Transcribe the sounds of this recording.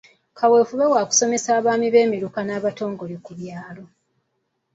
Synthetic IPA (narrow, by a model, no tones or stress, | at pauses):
kʰawe̞ːfuβe̞waːku̥so̞me̞saːβaːmiβe̞ːmiɾukanaːβato̞ːŋɡo̞lekuβjaːlo̞